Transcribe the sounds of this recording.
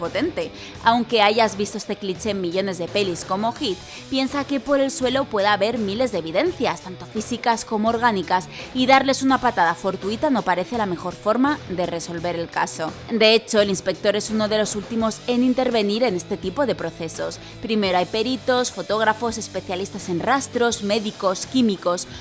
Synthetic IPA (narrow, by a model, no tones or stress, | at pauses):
po̞t̪e̞nt̪e̞ | awŋke̞aʝazβist̪oest̪e̞klit͡ʃe̞ːmːiʎo̞ne̞zðe̞pe̞lisko̞mo̞xit̪̚ | pje̞nsake̞po̞ɾe̞lswe̞lo̞pwe̞ðaβe̞ɾmile̞zðeβiðe̞nθjast̪ant̪o̞fisikasko̞moːɾɣ̞anikasiðaɾle̞sunapat̪aðafo̞ɾt̪uit̪ano̞paɾe̞θe̞lame̞xo̞ɾfo̞ɾmaðe̞re̞so̞lβe̞ɾe̞lkaso̞d̪e̞et͡ʃo̞elinspe̞k̚t̪o̞ɾe̞suno̞ðe̞lo̞sult̪imo̞se̞nint̪e̞ɾβe̞niɾe̞ne̞st̪e̞t̪ipo̞ðe̞pɾo̞θe̞so̞s | pɾime̞ɾoajpe̞ɾit̪o̞sfo̞t̪o̞ɣ̞ɾafo̞se̞spe̞θjalist̪ase̞nrast̪ɾo̞zme̞ðiko̞skimiko̞s